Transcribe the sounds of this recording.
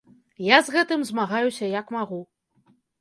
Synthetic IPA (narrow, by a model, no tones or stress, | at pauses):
jazɣɛt̪ɨmzmaɣajusʲɐjɐkmaɣu